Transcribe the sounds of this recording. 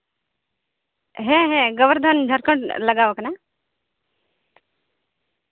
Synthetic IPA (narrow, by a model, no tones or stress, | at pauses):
ɦẽɦẽɡəʋəɾd̪ʱand͡ʒʱəɾkə̃ɳʈləɡaʋəkna